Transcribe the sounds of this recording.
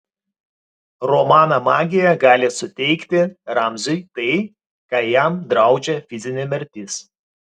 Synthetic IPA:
ɾɔmɑːnɐmɑːɡʲɪjɛɡɑːlʲɪsʊt̪ʲɛɪkt̪ʲɪɾɑmʲzʲʊɪt̪ɐɪ | kɑːjɛmd̪ɾɐˑʊd͡ʒʲɛfʲɪzʲɪnʲɛmʲɛɾʲt̪ʲɪs

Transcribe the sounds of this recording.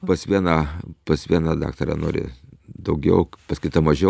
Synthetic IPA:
pɐsʋʲiɛnɑpɐsʋʲiɛnɑd̪ɑ̰ːkt̪ɐɾʲɛ̰no̰ːɾʲɪ̰d̪ɐʊɡʲɛ̰ʊpɐskʊɪt̪ɐmɐʒʲɛ

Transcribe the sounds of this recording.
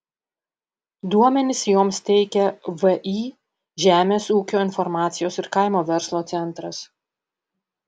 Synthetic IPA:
d̪uɔmʲɛnʲɪsjoːmst̪ʲɛɪkʲɛʋɛʔi | ʒʲæːmʲeːsuːkʲoːɪnfɔɾmɑːt̪sʲɪjoːsɪɾkɐɪmoːʋʲɛɾslˠoːt̪sʲɛnt̪ɾɐs

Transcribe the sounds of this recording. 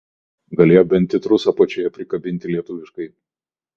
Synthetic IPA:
ɡɐlʲeːjobʲɛnʲt̪ʲɪt̪ɾʊsɐpɐt͡ʃʲɛːjɛpʲɾʲɪkɐbʲɪnʲt̪ʲɪlʲiɛt̪ʊʋʲɪʃkɐɪ

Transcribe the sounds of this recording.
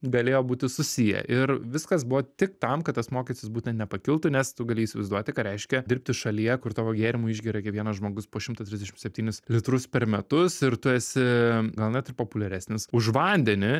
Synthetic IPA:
ɡɐlʲeːjoːbuːt̪ʲɪsʊsʲijɛ̰ʔɪɾʋʲɪskɐsbʊʋoːt̪ʲɪkt̪ɐmkɐt̪t̪ːɐsmoːkʲisʲst̪ʲɪsbuːt̪ʲɛnt̪ʲnʲɛpɐkʲɪlˠt̪ʊnʲɛst̪ʊɡɐlʲɪːiːsʲɪʋɛɪzd̪uɔt̪ʲɪkɐtɾʲɛɪʃʲkʲɛdʲɪɾʲpʲt̪ʲɪʃɐlʲijɛkʊɾt̪oːʋoːɡʲeːɾʲɪmuɪʒʲɡʲiːɾɐkʲɛʋʲiɛnɐsʒmoːɡʊspoːʃʲɪmt̪ɐt̪ʲɾʲɪzʲd̪ʲɛʃʲɪmsʲɛp̚ʲt̪ʲiːnʲʊslʲɪt̪ɾʊspʲɛɾmʲɛt̪ʊsɪɾt̪ʊɛːsʲɪɡɐlˠnʲɛt̪ɪrpoːpʊlʲɛɾʲæːsnʲɪsʊʒʋɐnʲd̪ʲɛnʲɪ

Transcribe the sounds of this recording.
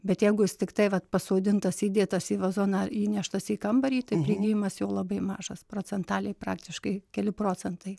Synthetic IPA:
bʲɛt̪jɛɪɡʊjɪst̪ʲɪkt̪ɐɪʋɐt̪pɐsoːd̪ʲɪnt̪ɐsiːd̪ʲeːt̪ɐsiːʋɐzoːnɑiːnʲæʃt̪ɐsiːkɐmbɐɾʲiːt̪ɐɪpʲɾʲɪːɡʲiːjɪmɐsjoːlˠɐbɐɪmɑːʒɐsproːt͡s̪ʲɛnt̪ɑːlʲɛɪpɾɑːk̚t̪ʲɪʃkɐɪkʲɛlʲɪpɾoːt͡s̪ʲɛnt̪ɐɪ

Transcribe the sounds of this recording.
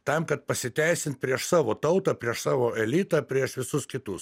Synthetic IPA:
t̪ɐmkɐt̪̚pɐsʲɪt̪ʲæɪsʲɪnt̪̚pʲɾʲiɛʃsɑːʋoːt̪ɐʊt̪ɐːpʲɾʲiɛʃsɑːʋoːɛlʲiːt̪ɐpʲɾʲiɛʃʋʲɪsʊskʲɪt̪ʊs

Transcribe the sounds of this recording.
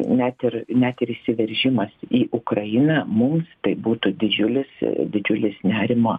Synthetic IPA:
nʲæt̪ʲɪɾnʲæt̪ɪɾɪʃʲsʲɪʋʲɛɾʲʒʲɪmɐsiːʔʊkɾɐjɪnɐmʊmst̪ɐɪbuːt̪ʊd̪ʲɪd͡ʒʲʊlʲɪsd̪ʲɪd͡ʒʲʊlʲɪsnʲæːɾʲɪmoː

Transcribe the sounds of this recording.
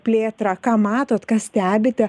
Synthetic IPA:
pʲlʲeːt̪ɾɑkɑːmɑːt̪oːt̪kɑːsʲt̪ʲæːbʲɪt̪ʲɛ

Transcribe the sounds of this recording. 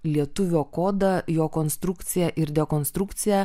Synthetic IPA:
lʲiɛt̪ʊʋʲoːkoːd̪ɐjoːkoːnst̪ɾʊkt̪sʲɪjɛʔɪɾd̪ʲɛkoːnst̪ɾʊkt̪sʲɪjɛ

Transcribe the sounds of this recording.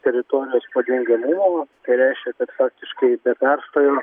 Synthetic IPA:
t̪ʲɛɾʲɪt̪oːɾʲɪjoːspɐd̪ʲɛŋʲɡʲɪmʊmoːt̪ɐɪɾʲɛɪʃʲkʲɛkɐt̪fɑːk̚t̪ʲɪʃkɐɪbʲɛpʲɛrst̪oːjoː

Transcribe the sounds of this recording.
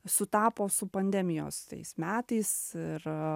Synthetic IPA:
sʊt̪ɑːpoːsʊpɐnʲd̪ʲɛmʲɪjo̰ːst̪ɐ̰ɪsmʲæːt̪ɐɪsɪɾ

